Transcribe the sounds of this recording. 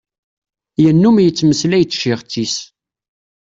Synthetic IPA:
jənːumjət͡sːməslæjt͡sːʃɪʁt͡sːis

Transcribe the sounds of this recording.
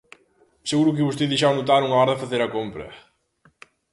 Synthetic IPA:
seɣuɾʊk̬ɪβost̪eðejʃ̬awnut̪aɾuŋɐɔɾɐðɪfɐθeɾɐkompɾɐ̰

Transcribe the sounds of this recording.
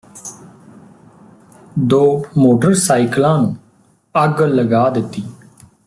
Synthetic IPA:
d̪oːmoːʈəɾsaːiklãːnũː | əɡləɡaːd̪ɪt̪ːiː

